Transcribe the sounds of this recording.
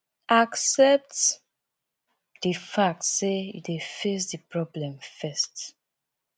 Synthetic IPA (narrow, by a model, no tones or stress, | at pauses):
ʔaksɛp̚t | difak̚tseḭefes̬dipɹɔblɛ̃mfɛst